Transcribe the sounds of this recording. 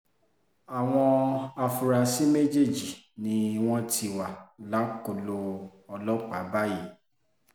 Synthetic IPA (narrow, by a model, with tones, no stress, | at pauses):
a˨w̃ɔ̃˧a˧fu˧ɾa˧si˦me˦d͡ʒe˦˨d͡ʒi˨ | nĩ˧˦˧w̃ɔ̃˦tʰi˧wa˨la˨˦ko˧˨lo˧ɔ˧lɔ˦k͡pa˨˦ba˦ji˦˨